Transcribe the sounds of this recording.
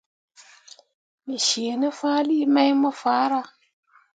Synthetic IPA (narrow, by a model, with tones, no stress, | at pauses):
mi˨ʃeː˨nə˦faː˦li˦ma˦jmə˦faː˨˦ɾa˦